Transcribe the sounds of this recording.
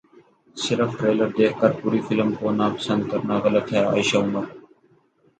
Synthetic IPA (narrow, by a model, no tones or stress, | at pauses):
sɪɾəfʈɾeːləɾd̪eːkʰkəɾpuːɾiːfɪlmkoːnaːpə̥sə̃nd̪̚kəɾnaːɣələt̪ɦɛːa̰ːɪʃaːʊməɾ